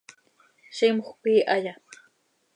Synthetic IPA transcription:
ʃɪmoχpiːʔaʎa

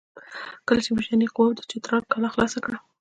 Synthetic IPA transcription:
kəlat͡ʃemuʃaniqʊwawd̪ət͡ʃet̪ɾɑɾkɑlaxlɑsakɽa

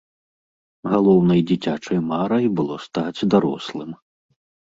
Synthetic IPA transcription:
ɣalˠɔwnɐjd͡zʲit͡sʲat͡ʂɐjmaɾɐjbɨlˠɔst̪ad͡zʲd̪aɾɔ̰slˠɨm

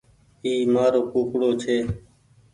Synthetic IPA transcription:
iːmaːɾoːkuːkɽoːt͡ʃʰeː

